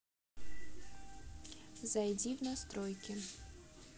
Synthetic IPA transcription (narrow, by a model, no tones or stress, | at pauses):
zɐjdʲiwnɐst̪ɾɔjkʲɪ